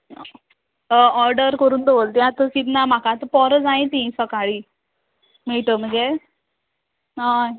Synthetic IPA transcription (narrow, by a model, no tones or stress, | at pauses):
ɔɾɖəɾkəɾuːnd̪oʋəlt̪ĩat̪əkit̪nam̤akat̪əpɔɾəd͡zaĩt̪ĩsəkaɭi | mɛɭʈ̪əm̤ənd͡ze | ɦa